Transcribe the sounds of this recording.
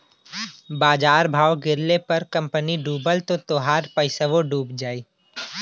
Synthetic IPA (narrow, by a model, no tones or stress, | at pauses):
baːd͡ʒaːɾbʱaːwɡɪɾlepɐɾkɐ̃mpəniɖuːbəlt̪ot̪oːɦaːɾpəɪsəʋoɖuːbd͡ʒaːiː